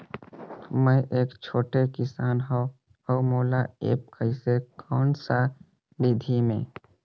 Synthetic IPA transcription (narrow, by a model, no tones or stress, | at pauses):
mɛ̃ʔeːkt͡ʃʰoːʈekɪsaːnɦõ | oːmoːlaḛːp̚kəɪsekʰɔːnsa | bid̪ʱimḛ̃ː